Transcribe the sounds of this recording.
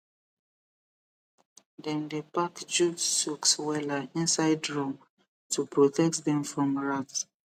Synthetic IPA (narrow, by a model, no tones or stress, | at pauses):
dɛ̃ndepakd͡ʒudsukswɛlaĩnsaɪdɹɔm | tupʰɹɔtɛk̚tdɛ̃mfɹɔ̃mɹats